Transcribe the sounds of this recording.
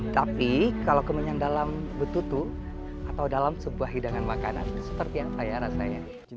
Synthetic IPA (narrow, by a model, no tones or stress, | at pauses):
t̪apikalakəmuɲandalambət̪ut̪u | at̪awdalamsəbuahɦidaŋanmakana̰nsə̥pərt̪ijaŋsajaɾasaja̰